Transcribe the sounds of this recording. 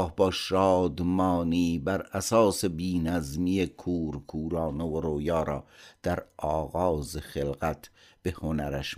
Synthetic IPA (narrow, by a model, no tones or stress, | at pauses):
hbɒːʃɑːd̪mɑːniːbæɾæsɑːse̞biːnæzmijekʰuːɾkʰuːɾɑːnovoɾoːjɑːɾɒːd̪̥æɾɒːɣɒːzexelɣæt̪ʰb̥ehonæɾæʃ